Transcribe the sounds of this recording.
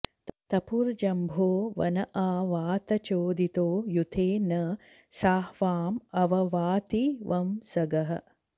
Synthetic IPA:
t̪ɐpuɾd͡ʒɐmbʱoːʋɐ̰nɐʔaːʋaːt̪ɐt͡ʃoːd̪it̪oːjut̪ʰeːnɐ | saːhʋaːmɐʋɐʋaːt̪iʋɐmsɐɡɐɦɐ̰

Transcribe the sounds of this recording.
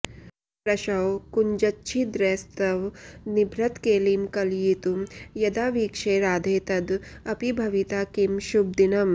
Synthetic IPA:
pɾɐʃɐwkuɲd͡ʒɐtːʃʰid̪ɾeːst̪ɐʋnibʱɾɐt̪keːlimkɐljit̪umjɐd̪aːʋiːkʃeːɾaːd̪ʱeːt̪ɐd̪ɐpibʱɐʋit̪aːkimʃub̚d̪inɐm

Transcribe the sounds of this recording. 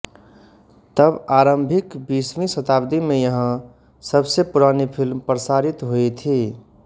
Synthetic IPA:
t̪əbaːɾə̃mbʱɪkbismisət̪aːbd̪imẽjəɦə̃ | səbsepuɾanipʰilmpɾəsaːɾit̪ɦoet̪ʰi

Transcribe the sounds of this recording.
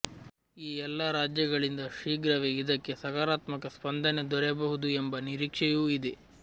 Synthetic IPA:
iːɛlːaɾaːd͡ʒjɐɡɐɭind̪ɐʂiːɡɾɐʋeid̪ɐkːe̞sɐkaːɾaːt̪mɐkɐspɐnd̪ʱɐne̞d̪ɔɾɛbɐɦud̪uembɐniɾiːkʂejuːid̪e

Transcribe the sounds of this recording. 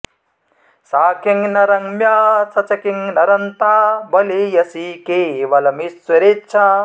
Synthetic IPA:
saːkʰiŋnɐɾɐŋmjaːsɐt͡ʃɐkiŋnɐɾɐnt̪aːbɐlejɐsikeːʋɐlɐmiswɐɾetːt͡ʃʰa

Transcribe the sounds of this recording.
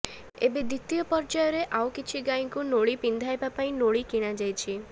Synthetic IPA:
ebed̪it̪ijɔpɔɾd͡ʒajɔɾeʔawkit͡ʃʰiɡaj̃ŋkunoɭipind̪ʱajbapaĩnoɭikiɽ̃ad͡ʒajt͡ʃʰi

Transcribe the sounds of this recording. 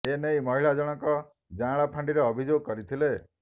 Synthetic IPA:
enejmɔɦiɭad͡ʒɔɽ̃ɔkɔ | d͡ʒãɭapʰãɳɖiɾeːbʱid͡ʒoɡ̚kɔɾit̪ʰile

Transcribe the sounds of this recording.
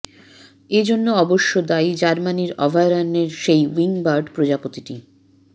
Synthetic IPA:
ed͡ʑonːoɔboʃːod̪ajd͡ʑaɾmaniɾɔbʱaɾaneɾʃejwiŋbaɾɖpɾod͡ʑapot̪iʈi

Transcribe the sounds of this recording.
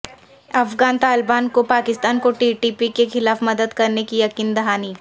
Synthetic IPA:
ɐfɡaːnt̪aːlɪbaːnkopaːkɪst̪aːnkoʈiːʈiːpikexɪlaːfmɐd̪əd̪kɐɾnekijɐkiːnd̪ɐɦaːniː

